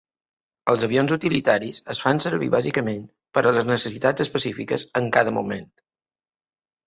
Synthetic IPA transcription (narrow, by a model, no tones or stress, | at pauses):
əlˠzəβionzut̪ilit̪aɾizəsfansəɾβḭβazikəment̪ | pəɾələznəsəsit̪ad͡zəspəsifikəzəŋkaðəmṵmḛnt̪